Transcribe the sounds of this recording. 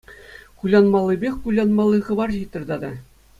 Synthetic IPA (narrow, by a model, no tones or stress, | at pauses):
kulʲɑnmɑlˠːɤ̆bʲexʲkulʲɑnmɑlˠːɤχɤ̆bɑrʑit̪ʲːɤ̆rd̪ɑd̪ɑ